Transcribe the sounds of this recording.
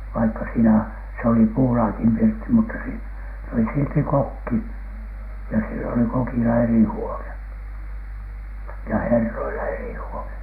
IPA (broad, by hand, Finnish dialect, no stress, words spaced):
ʋɑikːɑ siːnæ s oli puːlɑːkim pirtːi mutːɑ si oli silti kokːi jɑ silː oli kokilɑ eri huone jɑ herːoilɑ eri huone